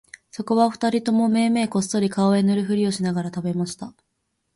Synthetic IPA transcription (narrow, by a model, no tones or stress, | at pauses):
so̞ko̞βaɸɯ̟̥t̪aɾʲit̪o̞mo̞me̞ːme̞ːko̞sːo̞ɾʲikaoe̞nɯ̟ɾɯ̟ɸɯ̟ɾʲio̞ɕinaɡaɾat̪abe̞maɕi̥t̪a